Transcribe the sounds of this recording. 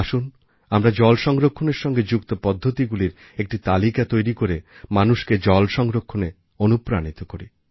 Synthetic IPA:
aʃun | amɾad͡ʑɔlʃɔŋɡɾokʰːoneɾʃɔŋɡed͡ʑukt̪opɔd̪ʱːot̪iɡuliɾ | ek̚ʈit̪alikat̪ojɾikoɾemanuʃked͡ʑɔlʃɔŋɡɾokʰːone | onupɾanit̪okoɾi

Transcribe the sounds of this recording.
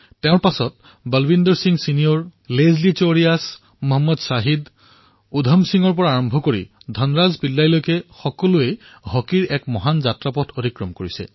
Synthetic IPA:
teʊ̃ɹpasɔt̚ | bəlbindɔɹsiŋɡsinijɔɹlezlit͡ʃoɹijas | mɔɦɔmːɔdsaɦid | udʱɔmsiŋɔɹpɔɹaːɹɔmbʱɔkoɹḭdʱɔnɹazpilːajlojkɛxɔkɔlue | hɔkiɹɛkmɔɦanzatɹapɔtʰodikɹɔmkoɹisɛ̰

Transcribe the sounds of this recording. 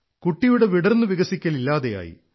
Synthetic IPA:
kuʈːijuɽeʋiɽɐrnːɨʋiɣɐsikʲːɐlilːaːðeja̰ːjḭ

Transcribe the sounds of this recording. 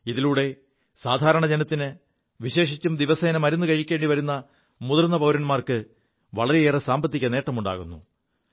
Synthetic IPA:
iðiluːɽe̞ | saːd̪ʱaːɾɐɳɐd͡ʑe̞nɐt̪ːinɨ | ʋiɕe̞ːʂit͡ɕːumd̪iʋɐsɐːnɐmɐɾunːukɐɻikʲːe̞ːɳɖiʋɐɾunːɐ | muðɐrnːɐpɐwɾɐnmaːrkɨ | ʋɐɭɐɾeeːrɐsaːmbɐt̪ːikʲːɐne̞ːʈːɐmuɳɖa̰ːɣunːṵ

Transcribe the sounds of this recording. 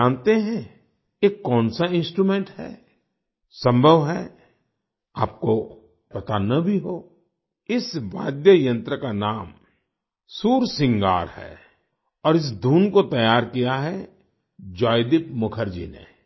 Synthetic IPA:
aːnt̪eɦɛ̃ | eːkːɔ̃ːnsaɪ̃nsʈɾumẽːɳʈhɛ̰ː | sə̃mbʱəʋɦɛː | aːp̚ko | pɐt̪anɐbʱiɦoː | ɪsʋa̰ːd̪jəjə̃nt̪ɾəkanaːm | suːɾsɪ̃ŋɡa̰ːɾhɛ̰ː | ɔːɾɪs̬d̪ʱuːnkot̪ɐjaːɾkijaɦɛ | d͡ʒaːɪd̪ɪpmʊkʰəɾd͡ʒḭːnḛː

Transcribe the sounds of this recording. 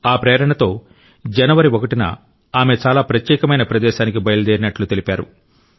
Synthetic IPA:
aːpɾɛːɐɾɐɳɐt̪o̞ː | d͡ʒɐnɐʋɐɾiokɐʈinɐ̰ | aːme̞t͡ʃaːlaːpɾɐt̪jɛːkɐmɐjnɐpɾɐd̪ɛːʃaːnikibɐjɐlɐd͡ʒ̪eːɾinɐʈlut̪e̞lipaːɾṵ

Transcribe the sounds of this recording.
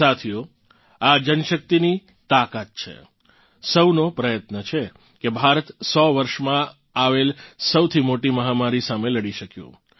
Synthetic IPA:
at̪ʰijo | ad͡ʒənʃək̚t̪ini | t̪akat̪̚t͡ʃʰḛ | səwnopɾəjət̪nət͡ʃʰe | kebʱaɾət̪sɔʋəɾʃmã | aʋelsəwt̪ʰimoʈiməɦamaɾisameləɽiʃəkjṵ̃

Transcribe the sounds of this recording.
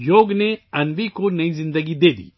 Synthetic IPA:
joːɡneɐnʋikonɐizɪ̃nd̪əɡid̪eːd̪ḭː

